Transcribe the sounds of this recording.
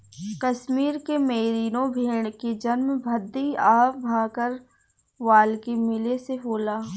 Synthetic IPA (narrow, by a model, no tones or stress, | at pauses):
kɐʃmiːɾkemeːɾiːnõbʱeːɽked͡ʒɐnmbʱɐd̪ːiaːbʱãːkəɾ | ʋaːlkemɪleseɦoːlaː